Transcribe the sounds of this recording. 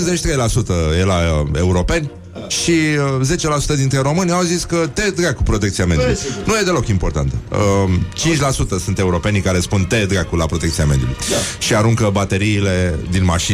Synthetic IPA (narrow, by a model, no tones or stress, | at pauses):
zet͡ʃʲt̪ɾejlasut̪əje̞lae̞uɾo̞pe̞nʲ | ʃiəze̞t͡ʃe̞lasu̥t̪əd̪int̪ɾe̞ɾo̞mɨnʲawziskət̪e̞d̪ɡakupɾo̞t̪ekt̪siame̞d̪julujnuje̞d̪e̞lo̞kimpo̞rt̪a̰nt̪əət͡ʃint͡ʃʲlasut̪əsunt̪e̞uɾo̞pe̞nkaɾe̞spunt̪ed̪ɡakulapɾo̞t̪ekt̪sijame̞d̪julṵjʃiaɾuŋkəbat̪e̞ɾiːle̞d̪inmaʃi